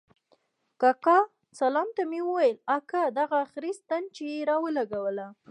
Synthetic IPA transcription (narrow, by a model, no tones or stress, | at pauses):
kɑkɑ | salɑmt̪amewəwajəlakad̪aɣaxɾist̪ant͡ʃejeɾɑwəlaɡawəla